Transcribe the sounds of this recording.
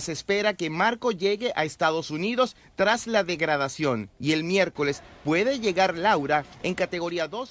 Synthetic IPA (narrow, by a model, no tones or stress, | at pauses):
sespe̞ɾake̞maɾko̞ʝe̞ɣe̞ʔaest̪aðo̞suniðo̞s | t̪ɾaslaðe̞ɣɾað̞asjo̞nie̞lmje̞ɾko̞le̞spwe̞ðe̞ʝe̞ɣaɾlawɾaeŋkat̪e̞ɣo̞ɾiaðo̞s